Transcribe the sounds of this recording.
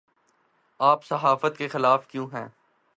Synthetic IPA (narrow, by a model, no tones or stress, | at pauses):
aːpsɐɦaːfət̪kexɪlaːfkjũːɦɛ̃ː